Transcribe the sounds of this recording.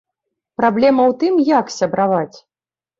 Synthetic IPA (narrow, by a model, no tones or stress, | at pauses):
pɾablʲɛmɐwt̪ɨmjaksʲɐbɾavat͡sʲ